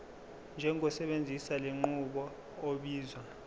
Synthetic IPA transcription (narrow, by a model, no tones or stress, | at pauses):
nd͡ʒʱɛŋʱɔsɛɓend͡zʱisaleŋ͡ǃuɓɔ | oɓiːzwa